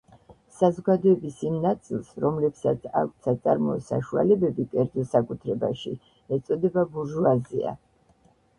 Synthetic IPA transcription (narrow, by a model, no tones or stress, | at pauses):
sazɔɡad̪ɔɛbisimnat̪sʼilˠsɾɔmlɛpsat̪sʰa̰kʷʰt̪sʰat̪ʼa̰ɾmɔɛsa̰ʃua̰lɛbɛbikʼɛɾd̪zɔlˠsakʼut̪ʰɾɛbaʃḭ | ɛt̪sʼɔd̪ɛbabuɾʒuazḭa̰